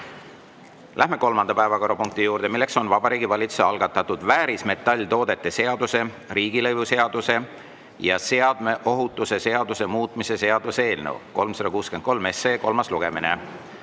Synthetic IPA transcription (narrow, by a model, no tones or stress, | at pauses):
lʔæɦme̞ko̞lmɑnd̪̥ɑpæevɑko̞ɾɑpuŋkt̪ijuːɾd̪̥e̞milːe̞kso̞nvɑbɑɾiːɡ̥ivɑlʲit̪su̥seɑlɡ̥ɑt̪ːˑɑt̪ːud̪̥væːɾisme̞t̪ːˑɑlʲːt̪o̞ːd̪̥e̞t̪ːe̞se̞ɑd̪̥use̞ | riːɡ̥ilɤjvuse̞ɑd̪̥use̞ | jɑse̞ɑd̪̥me̞ʔo̞ɦut̪ːˑuse̞se̞ɑd̪̥use̞muːt̪ˑmise̞se̞ɑd̪̥usee̞ːlnḛwko̞lmsɑd̪̥ɑkuːske̞n̚ko̞lme̞sːe̞ːko̞lmɑsluɡ̥e̞mine